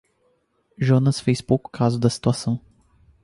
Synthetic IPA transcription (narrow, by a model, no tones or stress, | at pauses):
ʒonɐsfejspowkʊ̥kazʊd̪ɐsi̥t̪uasɐ̃w̃